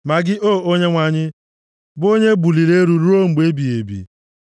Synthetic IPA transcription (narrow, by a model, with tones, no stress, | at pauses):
ma˨ɡɪ˦ʔoː˦˨o˦ɲe˦ŋʷa˨ɲɪ˦ | bo˦ɲe˦ɡ͡bu˨li˨ɾe˦ɾu˨ɾu˦o˦ŋ͡m̩˨ɡ͡be˦bi˨e˨bḭ˨